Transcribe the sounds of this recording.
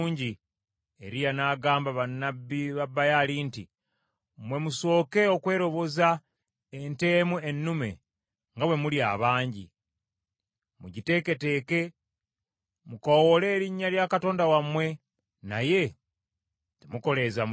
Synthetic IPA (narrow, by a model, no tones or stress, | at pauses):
ɲɟi | eɾijanaːɡaːmbaβanːabːiβabːajalinti | mwe̞muso̞ːke̞o̞kwe̞ːɾo̞βo̞za | ente̞ːmuenːume̞̰ | ŋɡawe̞mulia̰βaːɲɟḭ | muɟite̞ke̞te̞ːke̞ | mukowole̞ːɾiɲːaljakato̞ːndawamwe̞ | na̰je̞ | temuko̞le̞zam